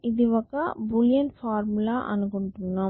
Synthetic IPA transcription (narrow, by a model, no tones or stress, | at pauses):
iðiʋɐkːɐbuljɐɳʈfaːɾmulaːʔɐ̰nɯkɔɳʈunːaː